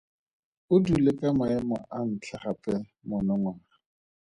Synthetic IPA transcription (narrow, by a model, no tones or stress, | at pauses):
ʊdulɪkʼamaɛmɔʔan̩t͡ɬʰaχapʼɛ | mɔnɔŋwaːra